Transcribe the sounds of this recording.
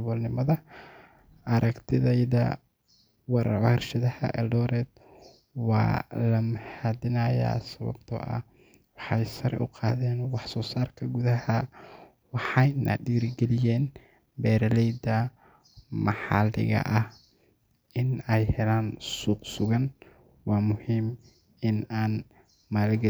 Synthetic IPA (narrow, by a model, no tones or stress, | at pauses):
βɔlnɪmɐðɐ | ʔɐɾʔɐɡt̪ʰɪðɛjðɐ̰ | wɑɾʕrʃɐðɐhɐ̰ʔɛlɖɔːɾɛːd̪ | wɑ̰ːlɐmɐħad̪ɪnaja̰ːsɐβɐ̰bt̪ʰɔ̰ʔɐ̰ | wɑħɑjsɐɾɛ̰ʔʊ̰qɑːðɛːnwɑħsɔːsaːrkʰɐɡuðɐhɐ | wɑħɑjnʔɐ̰ɖiːrɡɛlɪjɛːn | bɛːɾɐlɛjd̪ɐ | mɑħɑlɪ̰ɣɐ̰ʔɐh | ɪnɛjhɛlaːnsuːqsʊɣɐn | wɑːmʊhiːm | ɪnaːn | maːlɡɛ